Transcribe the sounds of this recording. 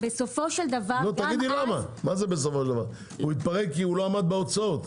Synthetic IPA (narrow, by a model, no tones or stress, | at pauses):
besofo̞ʃeld̪avalot̪aɡid̪ilamamazebes̬ofoʃeld̪avaʁ | uit̪̚paʁekkːiuloamad̪̚beot͡saot̪